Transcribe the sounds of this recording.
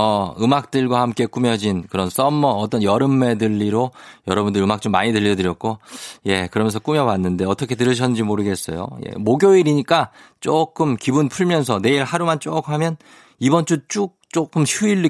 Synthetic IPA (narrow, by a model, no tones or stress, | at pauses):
ʌɯmak̚t͈ɯɭɡwahamk͈e̞k͈umjʌd͡ʑinkɯɾʌns͈ʌmːʌːt͈ʌnjʌɾɯmːe̞dɯʎːiɾojʌɾʌbundɯɾɯmak̚t͡ɕ͈omːaɲitɯʎːiʌtɯɾjʌk̚k͈oje̞kɯɾʌmjʌnsʰʌk͈umjʌwanːɯnde̞ʌt͈ʰʌkʰet̬ɯɾɯɕ̬ʰʌnnd͡ʑimoɾɯɡe̞s͈ʌjo̰jḛmoɡjoiɾiɲik͈at͡ɕ͈ok͈ɯmkibunpʰuɭmjʌnsʰʌne̞iɭhaɾumant͡ɕ͈okhamjʌn | ibʌnt͡ɕ͈ut͡ɕ͈uk̚t͡ɕ͈ok͈ɯmɕʰuiɭːi